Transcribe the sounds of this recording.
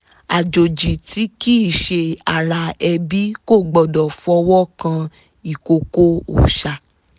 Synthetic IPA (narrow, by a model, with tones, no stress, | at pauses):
a˨d͡ʒo˨d͡ʒi˨ti˨˦ki˦˨ʃe˧a˨ɾa˧ɛ˧bi˦ko˦˨ɡ͡bɔ˨dɔ˨fɔ˧wɔ˦kã˧ | i˨ko˧ko˦o̰˨ʃa˨